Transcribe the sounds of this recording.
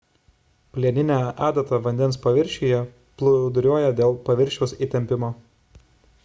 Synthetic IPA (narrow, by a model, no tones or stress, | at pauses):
pʲlʲiɛnʲɪnʲæːʔæːd̪ʲɐt̪ɐʋɐnʲd̪ʲɛnspɐʋʲɪɾʲʃʲijɛ | plˠʊd̪ɾʲuɔjɛd̪ʲeːlˠpɐʋʲɪɾʲʃʲɛʊsiˑt̪ʲɛmʲpʲɪmoː